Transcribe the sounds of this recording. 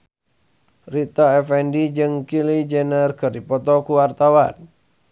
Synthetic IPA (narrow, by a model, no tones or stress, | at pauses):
rit̪ɔɛfɛndid͡ʒɨŋkilid͡ʒɛnərkərdipɔt̪ɔkuwart̪awa̰n